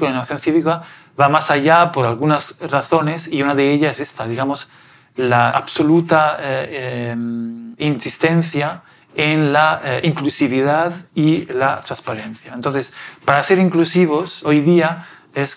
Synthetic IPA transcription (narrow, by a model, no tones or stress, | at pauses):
kolenoaθjonθiβika | βamasaʝapo̞ɾalɣunasraθo̞ne̞siunaðeeʎaese̞st̪aðiɣamo̞s | laa̰βso̞lut̪a | minsist̪ẽ̞nθja | enlaiŋklusiβiðaðilat̪ɾanspaɾe̞nθjaent̪onθe̞spaɾase̞ɾiŋklusiβ̞o̞so̞jðia | es